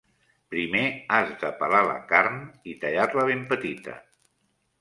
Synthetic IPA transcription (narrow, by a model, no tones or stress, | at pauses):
pɾimeazðəpəlalə̰kaɾnit̪əʎatləβ̞empət̪it̪ə̰